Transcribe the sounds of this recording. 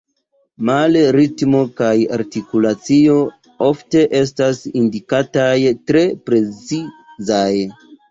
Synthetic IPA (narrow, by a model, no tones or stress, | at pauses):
malɾitmo̞kajaɾtikulat͡sio̞ | o̞fte̞ʔe̞s̬tasindikatajtɾe̞pɾe̞t͡sizaj